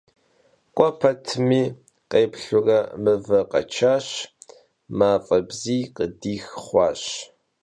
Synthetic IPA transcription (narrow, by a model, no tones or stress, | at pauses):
qʷʼɔpʰɐtʰɨmiː | qeːpɬʊrɐmɨvɐqɐ̰t͡ʃʰaːɕ | maːfʼɐbziːqədiːxχʷɑːɕ